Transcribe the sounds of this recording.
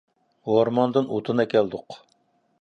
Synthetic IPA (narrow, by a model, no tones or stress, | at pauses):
hoɾmɑnd̪ɨnot̪ʰɨnɨkʲʰɛld̪ʊq